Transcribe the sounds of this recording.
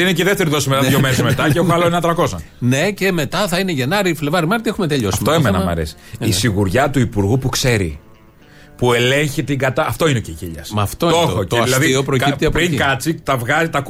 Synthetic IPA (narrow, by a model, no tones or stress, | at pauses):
ineceiðeft̪eɾiðo̞simet̪ɐðʝomeɾezmet̪ɐceexoxɐloenɐt̪ɾɐko̞zɐ | ne̞ce̞me̞t̪ɐθɐineʝenɐɾiflevɐɾimɐɾt̪iexumet̪e̞ʎo̞sɐi̥ft̪oemenɐmɐ̰ɾḛsi̥isiɣuɾʝɐt̪uipuɾɣupukse̞ɾḭ | pue̞le̞ɲçit̪iɡɐt̪ɐɐft̪o̞ineoceciʎɐsmɐːft̪ooooɐisɐɐðiiopɾocipt̪iɐpɾiŋkɐt͡sit̪ɐvɣɐzit̪ɐk